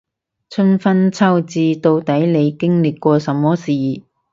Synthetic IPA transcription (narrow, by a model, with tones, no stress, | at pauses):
t͡sʰɵ˥nfɐ˥nt͡sʰɐ˥wt͡siː˧t̪o˧wt̪ɐ˨˥jle˨˧jkɪ˥ŋlɪ˨kːʷɔː˧sɐ˨˥mːɔː˥siː˨˩